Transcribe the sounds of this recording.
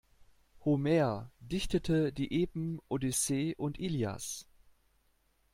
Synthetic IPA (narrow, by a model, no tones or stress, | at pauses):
homɛːɐdɪçtətʰədiːʔeːbm̩ʔodiseːʔʊntʔiːlja̰s